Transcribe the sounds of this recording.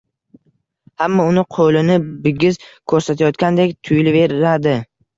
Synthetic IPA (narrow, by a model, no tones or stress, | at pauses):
hamːɒʊnɪqʰolɪnɪbɪɡʲɪzkʰɵɾsat̪ʰajɒt̪kʲand̪e̞kʲt̪ʰʊjlɪve̞ɾad̪ɪ